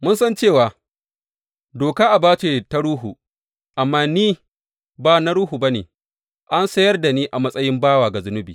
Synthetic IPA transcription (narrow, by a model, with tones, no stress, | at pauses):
mʊ˦nsɐ˦nt͡ʃeː˦˨waː˨ | doː˨kaː˦ʔa˨baː˦t͡ʃeː˨ta˦ɾuː˦ɦu˨ | ʔa˨mːaː˦niː˦ | baː˨na˦ɾuː˦ɦu˨ba˦nḛː˨ | ʔa˦nsɐ˦jɐ˦rda˨niː˦ʔa˨mɐ˦sʼɐ˦jɪ˦mbaː˦waː˨ɡa˨zʊ˦nʊ˦biː˨